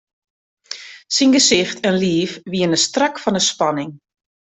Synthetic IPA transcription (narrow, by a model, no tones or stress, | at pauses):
sinɡəsɪxtʰɛnliːfʋiənəstrakfɔnəspanɪŋ